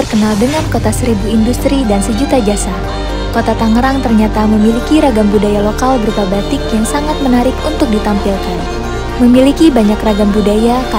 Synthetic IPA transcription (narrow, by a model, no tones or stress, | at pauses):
ərkənaldəŋankot̪asəɾibuindust̪ɾidansəd͡ʒut̪ad͡ʒasa | kot̪at̪aŋəɾaŋt̪ərɲat̪aməmilikiɾaɡambudajalokalbəɾup̪abat̪ɪkjaŋsaŋat̪̚mənaɾɪkunt̪ʊk̚dit̪ampilkan | məmilikibaɲakraɡambudajaka